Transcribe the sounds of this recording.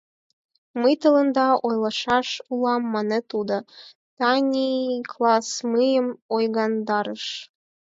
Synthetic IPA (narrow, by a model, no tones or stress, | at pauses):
məjt̪ɤ̆lə̆nd̪ɑʔojlˠɑʃɑʃulˠɑmːɑnĕt̪ud̪ŏ | t̪ɑnʲiklˠɑsmɯjəmojɣɑnd̪ɑɾəʃ